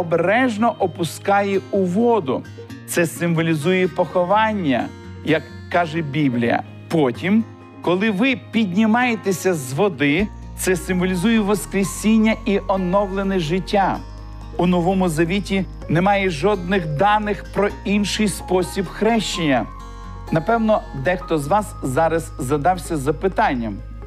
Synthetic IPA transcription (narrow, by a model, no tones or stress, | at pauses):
ɔbeɾɛʒnɔʔɔpʊskɑjɛʊʋɔd̪ʊ | t̪sɛsɪmʋɔlʲizujɛpɔxɔʋɑnʲːɐ̰ | jɐkːɑʒɛbʲiblʲḭjɐ̰ | pɔtʲim | kɔlˠɪʋɪpʲidʲnʲɪmɑjet̪esʲɐzʋɔd̪ɪ | t̪sɛsɪmʋɔlʲizujɛʋɔskɾʲesʲinʲːɐʔiʔɔnɔwlˠenɛʒɪtʲːa | unɔʋɔmʊzɐʋʲitʲi | nemɑjɛʒɔd̪̚nɪxd̪ɑnɪxpɾɔinʃɪjspɔsʲibxɾɛʃt͡ʃenʲːɐ | nɐpɛwnɔd̪ɛxt̪ɔzʋɑszɑɾɐzzɐd̪ɑwsʲɐzɐpɪt̪ɑnʲːɐm